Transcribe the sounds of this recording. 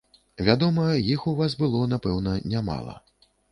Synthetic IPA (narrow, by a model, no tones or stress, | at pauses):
vʲad̪ɔmɐjixuvasbɨlˠɔnapɛwn̪ɐnʲama̰lˠɐ̰